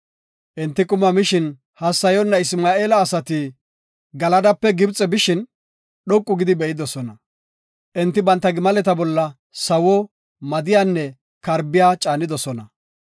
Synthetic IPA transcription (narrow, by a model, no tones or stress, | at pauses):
ʔɛnt̪ːɪkʼʊmɐmɪʃɪn | hɐsːɐjɔnːɐɪsmaːʔeːlɐːsɐt̪ɪ | ɡɐlɐd̪ɐpːɛɡɪbt͡sʼɛbɪʃɪn | ɗɔkʼːʊɡɪd̪ɪbɛʔɪd̪ɔsɔnɐ | ʔɛnt̪ːɪbɐnt̪ːɐɡɪmɐlɛt̪ɐbɔlːɐ | sɐwɔ | mɐd̪ɪjaːnːɛ | kɐɾbɪjaːt͡ʃʼaːnɪd̪ɔsɔnɐ